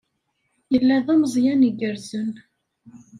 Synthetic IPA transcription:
jəlːæðˤæməzˤjæniɡəɾzən

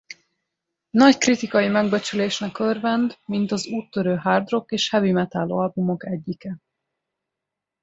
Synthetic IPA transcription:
nɒckrit̪ikɒjimɛɡbɛt͡ʃyleːʃnɛkørvɛnd̪mint̪ɒzuːt̪ːøɾøːɦaːrd̪ro̞keːʃhɛvimɛt̪aːlːo̰ːɒlbumo̞kɛɟːikɛ

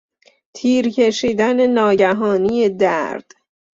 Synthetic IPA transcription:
t̪ʰiːɾcʰe̞ʃiːd̪æne̞nɒːɟæɦɒːnijed̪æɾd̪̥

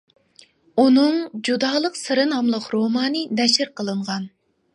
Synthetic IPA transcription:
unɨŋd͡ʒud̪ɑːlˠəqsɨɾɨnɑmlˠəqɾomɑːnɨnɛʃɪɾqʰəlˠɨɴʁɑn

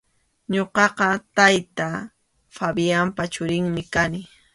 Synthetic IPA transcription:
ɲoqɑqɑt̪ajt̪a | fabiampat͡ʃʊɾɪŋmɪkanɪ

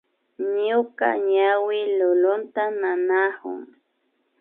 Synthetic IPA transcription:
ɲʊka̰ɲawɪlʊlʊnt̪ananahʊ̰ŋ

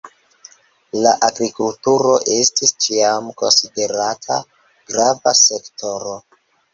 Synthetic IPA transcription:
laʔaɡɾikultuɾo̞ʔe̞stist͡ʃiamko̞nside̞ɾatʰa̰ | ɡ̥ɾavase̞kto̞ɾo̞

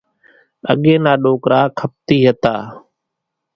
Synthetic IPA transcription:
ə̰ɠeːnaːɗoːkɾaːkʰəp̚t̪iːɦət̪aː

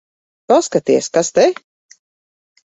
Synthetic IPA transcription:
paskat̪iɛskast̪ɛ

